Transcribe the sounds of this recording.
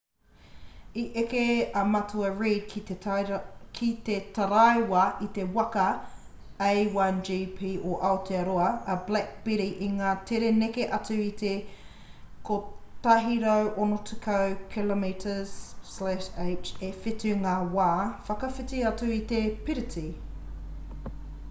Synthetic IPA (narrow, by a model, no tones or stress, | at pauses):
iʔekeɐmɐtʰuɐɹiːd̚kʰi | kʰit̪etɐɾɐjwɐit̪ewɐkɐ | ejwɐnd͡ʒiːpʰiːʔoʔɐotʰeɐɾoɐɐblɛk̚b̥iɾiʔiŋaːtʰeɾenekeʔɐtʉit̪e | kʰot̪ɐɦiɾowʔonotʰukʰɐwkʰilomitʰəz̥slæʃeɪt͡ʃefɪtʉŋaːwaːfɐkɐfitiɐtʉit̪epiɾitʰi